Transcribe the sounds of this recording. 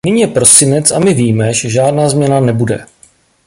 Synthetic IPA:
nɪɲiːjɛpɾo̞sɪnɛt͡samɪviːmɛʒɛʒaːdnaːzmɲɛnanɛbudɛ̰

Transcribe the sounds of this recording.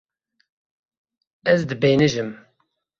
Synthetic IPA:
ɛzd̪ɨbeːnɨʒɨm

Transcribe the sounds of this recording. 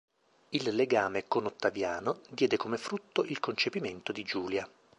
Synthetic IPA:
ilːeɡaːmekonot̪ːavjaːnod̪jɛːd̪ekomefɾut̪ːoʔilkont͡ʃepiment̪od̪id͡ʒuːlja

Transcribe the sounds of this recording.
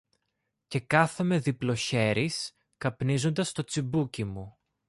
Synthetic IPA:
ce̞kɐθeme̞ðiplo̞çe̞ɾis | kɐpnizo̞nd̪ɐst̪o̞t͡sibucimu

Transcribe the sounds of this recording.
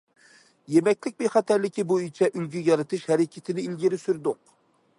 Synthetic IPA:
jemɛkʲlɪk̚ʲbeχɑt̪ʰæɾlɪkʲibojit͡ʃʰɛʔylɡʲyjɑɾɨt̪ʰɨʃhɛɾɪkʲʰɪt̪ʰɪnɪilɡʲiɾɪsyɾd̪ʊq

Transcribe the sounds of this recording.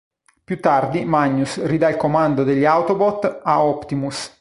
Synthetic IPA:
pjut̪ːard̪imaɲːusrid̪ailkomand̪od̪eʎːiawt̪obɔt̪aɔpt̪imus

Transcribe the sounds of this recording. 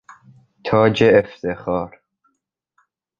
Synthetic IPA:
t̪ʰɒːd͡ʒeːft̪ʰexɒːɾ

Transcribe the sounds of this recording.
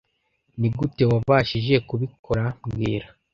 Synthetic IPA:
niɡute̞waaːʃiʒe̞kuβikʰo̞ɾamɡiːɾa

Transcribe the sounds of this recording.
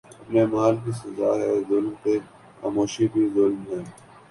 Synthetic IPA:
əpneːmaːlkiːsəzaːɦɛːzʊlmt̪eː | xa̰ːmoːʃiːbʱiːzʊlmɦɛː

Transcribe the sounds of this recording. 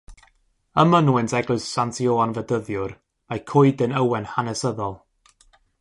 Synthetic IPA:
əmənwɪntʰɛɡlɨssantʰioːanvədəðjʊr | majkʰʊɨdənəwɛnhanɛsəðɔlˠ

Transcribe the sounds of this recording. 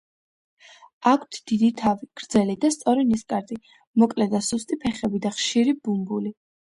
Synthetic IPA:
akʷʰt̪ʰd̪̥id̪it̪ʰaviɡ̥ɾd̪zɛlid̪ast̪sʼɔɾiniskʼaɾd̪i | mɔkʼlɛd̪asust̪ʼipʰɛχɛbid̪aχʃiɾibumbuli

